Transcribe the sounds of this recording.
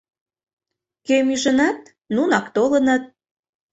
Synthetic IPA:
kemyʒənɑt̪̚ | nunɑkt̪olə̆nɤt̪̚

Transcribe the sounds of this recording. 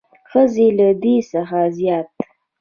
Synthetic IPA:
xəzelad̪esəxazjɑt̪

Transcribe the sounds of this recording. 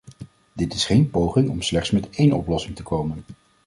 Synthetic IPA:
dɪtɪsχejnpowχɪŋɔmslɛχtsmɛtejnɔ̰plɔsɪŋtəkowmən

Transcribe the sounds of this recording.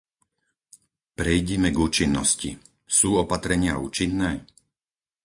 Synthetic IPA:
pɾɛjɟɛmɛɡuːt͡ʃinːɔsci | suːɔpat̪ɾɛɲɪauːt͡ʃinːɛː

